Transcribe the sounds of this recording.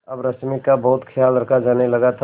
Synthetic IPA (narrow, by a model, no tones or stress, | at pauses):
ɐbɾɐsmikabɔɦːt̪kʰjaːlɾɐkʰad͡ʒaːnelɐɡat̪ʰ